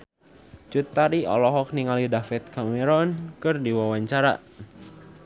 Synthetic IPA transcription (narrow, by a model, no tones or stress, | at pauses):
t͡ʃut̪ːaɾiɔ̰lɔɦɔk̚niŋalidafɛt̪̚kamɛɾɔnkɨrdiwawaɲt͡ʃaɾa̰